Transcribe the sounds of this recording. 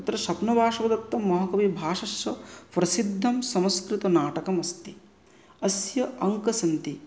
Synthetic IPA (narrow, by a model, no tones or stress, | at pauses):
t̪ɾɐʃɐpnɐbʱaːʂɐʋɐd̪ɐt̪ːɐmːɐɦɐkɐbibʱaːʂɐʃjɐpɾɐsid̪ʱːɐmsɐmskɾit̪ɐnaːʈɐkɐmɐst̪i | ɐsjɐʔɐŋkɐsɐnt̪i